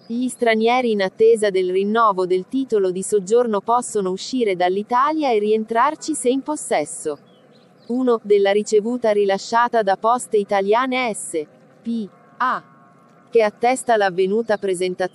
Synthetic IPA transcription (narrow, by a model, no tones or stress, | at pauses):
ʎist̪ɾanjɛːɾiːnat̪ːeːzad̪elrinːɔːvod̪elt̪iːt̪olod̪isod͡ʒːornopɔsːonouʃːiːɾed̪alːit̪aːljaerːient̪ɾart͡ʃiseimposːɛsːo | uːnod̪elːaɾit͡ʃevuːt̪aɾilaʃːaːt̪ad̪apɔst̪eit̪aljaːneɛsːe | pi | a | k̟eat̪ːɛst̪alavːenuːt̪apɾezent̪a